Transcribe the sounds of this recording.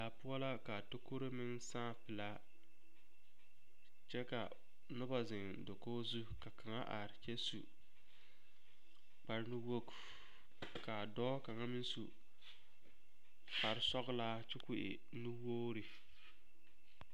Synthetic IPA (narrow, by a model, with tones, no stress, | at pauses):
la˨pʊ˦ɔ˦la˦ka˨to˦ko˦ɾe˦mɪ˦nsãː˦˨pɪ˨la˦ | t͡ʃɛ˦ka˨ | nʊ˦ba˨zɪ˨ŋ | do˨koː˦zu˦ka˨ka˨ŋa̰˦ʔa˨ɾɪ˨t͡ʃɛ˦su˨ | k͡pa˨ɾnu˦wo˦k | ka˨dɔː˦ka˨ŋa˦mɪ˦nsu˨ | k͡pa˨ɾɪ˦sɔ˦ɣlaː˦t͡ʃɪ˦kʊ˨ʔɪ̰˨ | nu˦woː˦ɾɪ˨